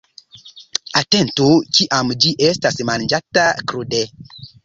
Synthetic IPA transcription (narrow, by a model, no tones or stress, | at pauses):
ate̞ntukiʔamd͡ʒiʔestasmand͡ʒatakɾude